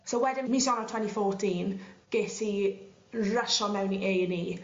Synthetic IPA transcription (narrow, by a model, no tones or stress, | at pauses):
sowwɛdɪnmisɔnɔtʰw̥ɛntifɔrtʰiːnɡ̥eːti | rəʃɔmɛwniʔejniː